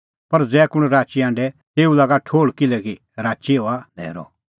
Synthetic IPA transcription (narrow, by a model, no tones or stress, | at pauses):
pɐɾd͡zɛːkʊɽ̃ɾaːt͡ʃiãːɳɖɛt̪eːulaːɡaʈʰoːɭkɪlɛki | ɾaːt͡ʃioːalɛ̰ːɾɔ̰